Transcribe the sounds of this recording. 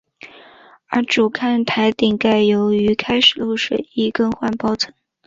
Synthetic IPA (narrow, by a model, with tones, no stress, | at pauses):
ə˞˧˥ʈ͡ʂu˨˩kʰa˥˩nt̪ʰa˧˥ɪt̪i˨˩ŋka˥˩ɪjo˧˥ʊy˧˥kʰa˥ɪʂɻ̩˨˩lu˥˩ʊʂwe˨˩ɪi˥˧kɤ˥˧ŋxwa˥˩npɑ˥ʊt͡sʰɤ˧˥ŋ